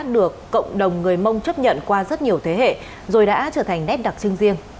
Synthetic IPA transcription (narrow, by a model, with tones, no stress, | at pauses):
ɗɨ˨˩əkːə̰˧˨wŋ͡mɗə˨˩wŋ͡mŋɨ˨˩əjmə˧wŋ͡mt͡ɕə˦˥p̚ɲə̰˧˨nkwaː˧zə˦˥t̚ɲi˨˩əwt̪ʰe˨˦ɦḛ˧˨ | zo˨˩jɗa̰ː˧˥t͡ɕəː˧˩t̪ʰa˨˩ŋnɛ˦˥p̚ɗa˨˩k̚t͡ɕɨ˧ŋzi˧ən